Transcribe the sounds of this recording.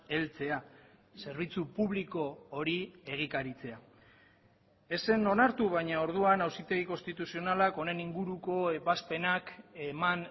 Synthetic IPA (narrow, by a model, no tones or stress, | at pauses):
e̞lt͡se̞a | se̞ɾβ̞it͡supuβliko̞ːɾie̞ɣ̞ikaɾit͡se̞a | e̞se̞no̞naɾt̪uβajɲao̞ɾðuanawsit̪e̞ɣiko̞nst̪it̪usio̞nalako̞ne̞niŋɡuɾuko̞epaspe̞nakeman